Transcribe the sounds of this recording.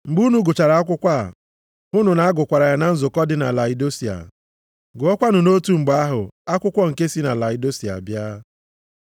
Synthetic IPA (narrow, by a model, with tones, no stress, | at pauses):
ŋ͡m̩˨ɡ͡bu˦nu˦ɡʊ˨t͡ʃa˨ɾa˨a˦k̬ʷʊ˦kʷa̰˦˨ | ʊ˦nʊ˨na˨a˦ɡʊ˨kʷa˨ɾa˨ja˨˦na˨n̩˦zʊ˨kɔ˦dɪ˦na˨la˨i˨do˦si˨a̰˨ | ɡʊ˨˦ɔ˦kʷa˦nʊ˨no˦tu˦˨ŋ͡m̩˨ɡ͡ba˦a˦ɦʊ̰˨a˦kʷʊ˦kʷɔ˦ŋ̩˨ke˦si˦na˨la˨ɪ˨do˦si˨a̰˨bja˦